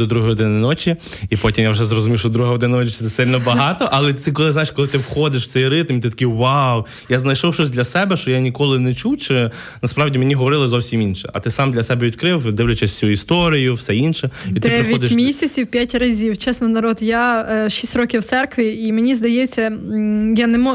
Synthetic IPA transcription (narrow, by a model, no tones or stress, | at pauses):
d̪ɔd̪ɾuɦɐjɔd̪ɪnɪnɔt͡ʃiipɔtʲimjawʒɛzrɔzʊmʲiwʃt͡ʃɔd̪ɾuɦɐɦɔd̪ɪnɐnɔt͡ʃiɪt̪ɛsɪlʲnɔbɐɦɑt̪ɔʔɐlˠɛɛkɔlˠɪzajɪʃkɔlˠɪt̪ɪwxɔd̪ɪʃw̥t͡s̪ɛjɾɪt̪ɐmit̪ɪt̪ɐ̥kʲijwaw | jaznɐjʃɔwʃt͡ʃɔsʲd̪ʲlʲɐsɛbɛʃt͡ʃɔjanʲikɔlˠɪnɛt͡ʃuwt͡ʃɪ | nɐspɾɑwdʲimenʲiɦɔʋɔɾɪlˠɪzɔwsʲiminʃɛ̰ɐ̰t̪ɪsɑmd̪lʲɐsɛbɛʋʲid̪ʲkɾɪwd̪ɪʋlʲɛt͡ʃɛsʲsʲuist̪ɔɾʲijʊwsɛinʃɛdit̪ɪɛɾʋʲiɔd̪ɪʃmʲisʲɐt͡sʲiwpʲjatʲrɐzʲiwt͡ʃɛsnɔnɐɾɔd̪jaʃisʲtʲɾɔkʲɪwt̪sɛrkʋʲiimenʲizd̪ɐjɛt͡sʲːɐjanɛmɔ